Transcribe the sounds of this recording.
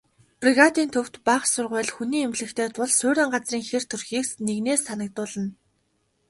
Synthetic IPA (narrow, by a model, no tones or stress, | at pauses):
priɣat̪iːnt̪ʰɵw̥t̪paχsʊrʁʊːɮxuniːemɮɘ̆kt̪ʰeːt̪ʰʊɮsʊːɾʲɪ̆ːɴɢat͡sriːŋxer̥t̪ʰɵrxiːksneɣneːsːanə̆k̚t̪ʊːɮə̆n